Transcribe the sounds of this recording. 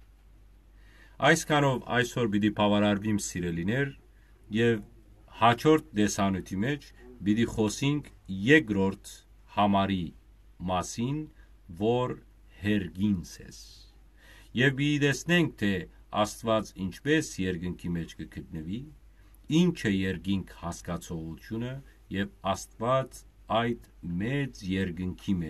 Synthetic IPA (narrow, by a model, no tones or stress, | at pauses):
ɑjskʰɑnɔvɑ̰jsɔɾbid̪̬ipʰɑvɑɾɑɾvimsiɾɛlinɛɾ | jɛv | hɑt͡ʃʰɔɾt̪̚d̪ɛsɑnujt̪ʰimɛt͡ʃʰbid̪iχɔsiŋkʰjɛkɾɔɾt̪ʰ | hɑmɑɾi | mɑsin | vɔɾ | hɛɾɡinsɛ̰s | jɛvbit̪it̪ɛsnɛŋk̚t̪ʰɛ | ɑ̰st̪vɑt͡sint͡ʃʰpɛsjɛɾɡəŋkʰimɛt͡ʃʰkəkʰət̪̚nəvi | int͡ʃʰɛjɛɾɡiŋkʰhɑskɑt͡sʰɔʁut̪ʰjunə | jɛvɑst̪vɑt͡s | ɑjd̪ | mɛt͡sjɛɾɡəŋkʰimɛ